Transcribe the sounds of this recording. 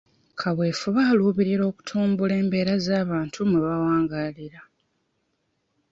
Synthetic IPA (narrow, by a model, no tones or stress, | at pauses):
kʰaβwe̞ːfuβaːluːβiɾiɾo̞ːku̥tʰuːmbule̞ːmbe̞ːɾazaːβaːntʰumuβawaːŋɡaliɾa